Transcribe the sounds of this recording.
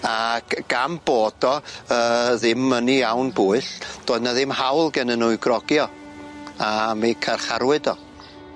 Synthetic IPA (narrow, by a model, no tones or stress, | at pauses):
aɡɡ̥amboːd̥ɔəðɪmənijawnbuːɨɬd̥oːdnaðɪmhawlˠɡɛnənuɨɡrɔɡjɔ | amekʰarχaɾwɨdɔ